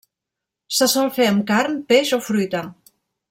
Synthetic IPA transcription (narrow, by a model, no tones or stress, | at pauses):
səsɔlˠfeəmkaɾnpeʃofɾujt̪ə